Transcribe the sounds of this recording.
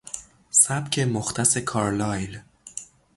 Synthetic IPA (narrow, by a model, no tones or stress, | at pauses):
sæbcʰe̞moxt̪ʰæse̞kʰɒːɾlɒːjl